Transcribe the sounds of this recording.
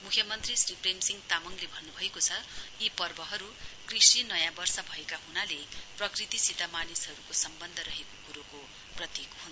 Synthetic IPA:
mukʰjʌmʌnt̪risripʰremsiŋt̪amʌŋlebʱʌnːubʱʌekot͡sʰʌjipʌrbʌɦʌɾukrisinʌjãbʌrsʌbʱʌekaɦunaleprʌkrit̪isit̪amanisɦʌɾukosʌmbʌnd̪ʱʌɾʌɦekokuɾoko | prʌt̪jekɦunʱ

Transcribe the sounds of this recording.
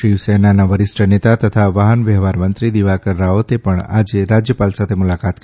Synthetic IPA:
ʃɾiʋsenanaʋəɾɪsʈʰənet̪at̪ət̪ʰaʋaɦənʋɛɦʋaɾmənt̪ɾid̪iʋakəɾɾaot̪epəɳa̰d͡ʒeɾad͡ʒjəpalsat̪ʰemʊlakat̪k

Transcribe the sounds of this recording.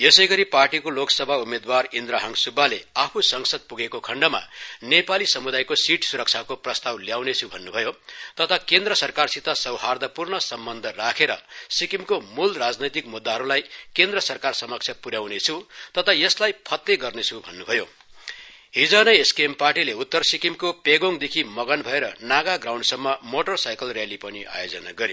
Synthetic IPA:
jesʌjɡʌɾiparʈikoloksʌbʱaumed̪warind̪ɾaɦʌŋsubʱːaleapʰusʌŋsʌd̪̚puɡekokʰʌɳɖʌma̰nepalisʌmud̪ajkosiʈsuɾʌk̚t͡sʰakoprʌst̪awljawnet͡sʰubʱʌnːubʱʌjot̪ʌt̪ʰakend̪rʌsʌrkarsit̪asʌwɦard̪ʱʌpurnʌsʌmbʌnd̪ʱʌrakʰeɾʌ̰sikimkomulrad͡znʌjt̪̬ikmud̪ːaɦʌɾulajkend̪rʌsʌrkarsʌmʌk̚t͡sʰjʌpuɾjawnet͡sʰut̪ʌt̪ʰʌjʌslajpʰʌt̪ːeɡʌrnet͡sʰubʱʌnːubʱʌjo | ɦid͡zʌnʌjeskemparʈileut̪ːʌrsikimkopeɡoŋd̪ekʰimʌɡʌnbʱʌeɾʌnaɡaɡraw̃ɳɖsʌmːʌmoʈʌrsajkʌlrjalipʌniʔa̰jod͡zʌna̰ɡʌɾe

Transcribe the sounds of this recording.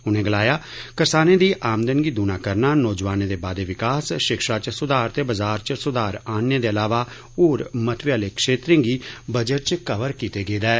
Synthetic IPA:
ʊnẽːɡəlaːjaː | kəɾsaːnẽːd̪iːʔaːmd̪ənɡiːd̪uːnaːkəɾnaːnɔːd͡ʒʋaːneːd̪eːbaːd̪eːʋɪkaːsʃɪkʃaːt͡ʃsʊd̪aːɾt̪eːbəzaːɾt͡ʃsʊd̪aːɾaːnneːd̪eːəlaːʋaː | oːɾmət̪ʰʋɪjaːleːkʃeːt̪ɾẽːŋɡiːbəd͡ʒəʈ̚t͡ʃkəʋəɾkiːt̪eːɡeːd̪ɛː

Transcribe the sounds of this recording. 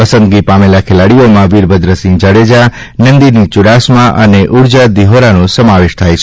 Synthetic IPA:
pəsə̃nd̪̚ɡipamelakʰelaɽijomãʋiɾbʱəd̪ɾəsĩŋd͡ʒaɽed͡ʒa | nənd̪init͡ʃʊɽasmãʔəneʔuɽd͡ʒad̪iɦoɾanõsəmaʋeʃt̪ʰajt͡ʃʰ

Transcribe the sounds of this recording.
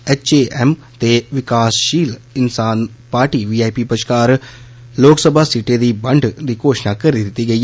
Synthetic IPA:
et͡ʃeːʔem | t̪eʋɪkaːsʃiːlɪnsaːn | paːɾʈiːʋiːaːjpipɐʃkaːɾ | loːksəbʱaːsiʈed̪ibɐɳɖʱd̪iːkoːʃnakɐɾid̪it̪iɡɐi

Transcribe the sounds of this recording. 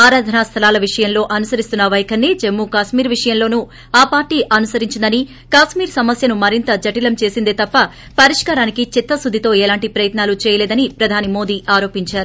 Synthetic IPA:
aːɾaːd̪ʱɐnaːst̪ʰɐlaːlɐʋiʂɐjɐmlo̞ːʔɐnusɐɾist̪unːɐʋɐjɐkʰɐnːeːd͡ʒemːuːkaːʃmiːɾʋiʂɐjɐmlo̞ːnu | aːpaːɾʈːiːʔɐnusɐɾiɲt͡ʃind̪ɐni | kaːʃmiːɾsɐmɐsjɐnumɐɾint̪ɐd͡ʒɐʈilɐmt͡ʃe̞ːsind̪eːt̪ɐpːɐ | pɐɾiʂkaːɾaːnikit͡ʃit̪ːɐsud̪ʱit̪o̞ːɛːlaːɳʈipɾɐjɐt̪naːlut͡ʃɛːjɐlɛːd̪ɐnipɾɐd̪ʱaːnimo̞ːd̪iːʔaːɾo̞ːpiɲt͡ʃaːɾu

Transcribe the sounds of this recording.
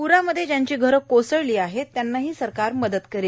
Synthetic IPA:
puɾaməd̪ʱːjed͡ʑjaɲt͡ɕiːɡʱəɾkosəɭliːaɦet̪ːjanːaɦiːsəɾkaɾməd̪ət̪kəɾel

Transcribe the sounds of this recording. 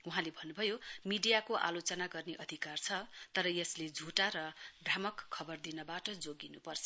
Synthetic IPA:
uɦãlebʱʌnːubʱʌjomiɖijakoʔa̰lot͡sʌnaɡʌrneʔʌd̪ʱikart͡sʰʌt̪ʌɾʌjʌsled͡zʱuʈaɾʌbramʌkʰːʌbʌrd̪inʌbaʈʌd͡zoɡinupʌrt͡sʰʌ̥

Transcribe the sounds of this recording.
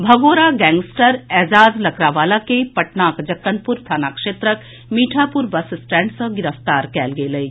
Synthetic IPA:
bʱɐɡoːɾaɡɛ̃ːŋɡsʈəɾɛːzaːd͡ʒlɐkʰɾaːʋaːlakepɐʈnaːkd͡ʒɐkːənpʊɾst̪ʰaːnaːkʃeːt̪ɾək | miːʈʰaːpʊɾbɐsɪsʈɛ̃ːɳʈsə̃ɡɪɾəft̪aːɾkɛːlɡeləi

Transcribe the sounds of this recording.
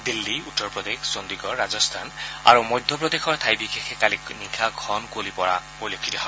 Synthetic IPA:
d̪ilːiutːɔɹpɹɔd̪exsond̪iɡɔɹːazɔst̪ʰana̰ɹumɔjd̪ʱjɔp̬ɹɔd̪exɔɹt̪ʰajbixexʰekaliknikʰakʰɔnkolipɔɹa | ojlokʰːitaɦɔ

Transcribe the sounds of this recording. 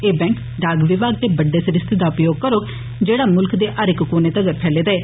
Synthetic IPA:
eːbɛ̃ːŋk | ɖaːɡʋɪbaːɡ̚d̪eːbəɖeːsəɾɪst̪ʰid̪aːʊpjoːɡ̚kəɾoːɡ | d͡ʒeːɽaːmʊlkd̪eːʔəɾɪkkoːneːt̪əɡəɾpʰɛːleːd̪aeː

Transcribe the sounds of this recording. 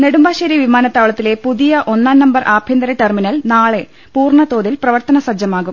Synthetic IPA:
ne̞ɽumbaːɕɐːɾjɐʋimaːnɐt̪ːaːʋɭɐt̪ːile̞puðijɐʔo̞nːaːnnɐmbɐrʔaːbʱjɐnd̪ɐɾɐʈerminɐlnaːɭe̞ | puːrɳɐt̪o̞ːðilprɐʋɐrt̪ɐnɐsɐd͡ʑjɐmaːɣum

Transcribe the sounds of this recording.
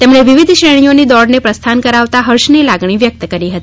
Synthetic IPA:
t̪emɳeʋiʋid̪ʱʃɾeɳ̃ijonid̪ɔɽnepɾəst̪ʰankəɾaʋt̪aɦəɾʃnilaɡɳiʋjək̚t̪əkəɾiɦət̪ii

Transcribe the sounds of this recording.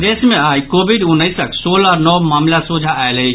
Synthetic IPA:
ɾeːsmẽaːjkoːbiɖʊnːəɪsəksoːlɔːɾnɔmaːmlasud͡ʒʱaaelɦəj

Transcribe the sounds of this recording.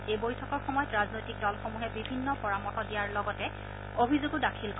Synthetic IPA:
ejbojtʰɔkɔɹxɔmɔjɔtɹaznojtik̚dɔlxomuɦɛbibʱinːɔpɔɹamɔkɔdijaɹlɔɡɔtɛ | obʱizoɡʊdakʰilk

